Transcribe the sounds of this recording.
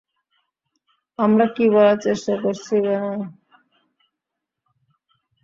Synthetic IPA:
amɾakiβɔlat͡ɕeʃʈakoɾt͡ɕʰikano

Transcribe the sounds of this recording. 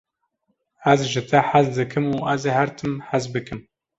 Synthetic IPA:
æzʒɨt̪ʰɛħazd̪ɨkʰɨmuːʔæzehæɾt̪ʰɨmħazbɨkɨm

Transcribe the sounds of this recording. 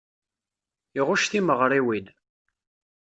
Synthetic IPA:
iʁʊʃθiməʁɾˤiwin

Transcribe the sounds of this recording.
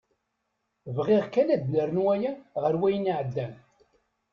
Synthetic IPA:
vʁiʁkælæd̪ləɾnwæjæʁəɾwæjəniʕəd̪ːæn

